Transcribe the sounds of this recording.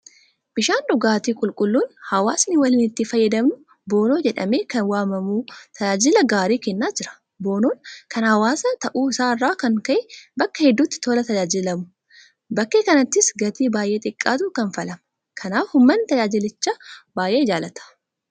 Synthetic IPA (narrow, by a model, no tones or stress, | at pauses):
b̥ɪʃaːnᶑʊɡaːt̪iːkʼʊlkʼʊlːuːnhɐwaːsnɪwɐliːnɪt̪ːɪfɐjːɐd̪ɐmnʊ | bo̞ːno̞ːd͡ʒɛᶑɐ̰me̞ːkɐnwaːmɐmuːt̪ʰɐd͡ʒaːd͡ʒɪlɐɡaːɾiːkɛnːaːd͡ʒɪɾɐ̥ | bo̞ːnoːnkʰɐnhɐwaːsɐt̪ɐʔuːɪsaːɪrːaːkɐŋkɐʔɛbɐkːɐhɛd̪ːuːt̪ːɪ̥t̪oːlɐt̪ɐd͡ʒaːd͡ʒɪlɐmʊ̥ | bɐkːe̞ːkɐnɐt̪ːɪsɡɐt̪iːbaːjʔe̞ːt̪ʼɪkʼːaːt̪uːkɐnfɐlɐmɐ | kʰɐnaːfhʊmːɐnt̪ɐd͡ʒaːd͡ʒɪlɪt͡ʃːaːbaːjʔeːɪd͡ʒaːlɐt̪ɐ̥